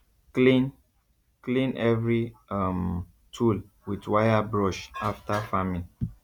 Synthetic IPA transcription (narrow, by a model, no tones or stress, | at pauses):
lin | klĩnɛvɹiam | tʰul | widwajabɹɔʃaftafamĩn